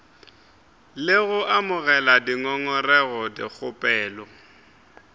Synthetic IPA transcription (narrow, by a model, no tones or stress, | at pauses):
lɪɣʊʔamʊɣɛladiŋɔŋɔrɛɣɔdɪk͡xʰʊpʼɛːlɔ